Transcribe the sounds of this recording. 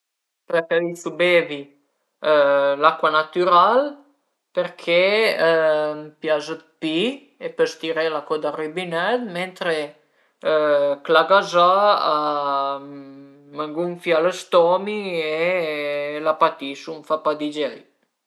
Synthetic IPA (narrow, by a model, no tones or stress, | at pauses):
pakavisubeːvi | lakwanat̪yɾal | peɾkʰe | mpjazəpi | epəst̪iɾelakod̪aribinɛd̪ment̪ɾe | klaɡazaa | maŋɡuŋfjaləst̪ɔmie | lapat̪isumfapad̪id͡ʒɛj